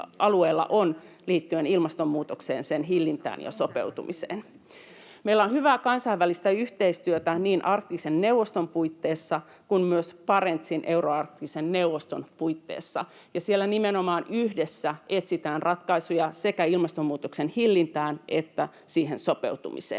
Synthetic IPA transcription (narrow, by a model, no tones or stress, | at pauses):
ɑlueːlːɑ̰ʔon | liːt̪ːyenilmɑst̪ommuːt̪oksḛːnsenɦilːint̪æ̰ːnjɑ̰sopḛut̪ṵmisḛːn | meilæonhyʋæːkɑnsɑiʋːælist̪æyht̪eist̪yøt̪æniːnʔɑrt̪ːˑisenneuwʋost̪ompuit̪ːeːsːɑ | kunmyøspɑɾent̪sinʔeuroɑrt̪ˑːisenneuʋost̪onpuit̪ːḛːsːɑ̰ | jɑsielːænimenomɑːnyhdesːæʔet̪sit̪æːnrɑt̪kɑisujɑse̞kæilmɑst̪omːuːt̪oksenhilːint̪æːnʔet̪ːæ | siːɦensopḛut̪ṵmḭsḛːn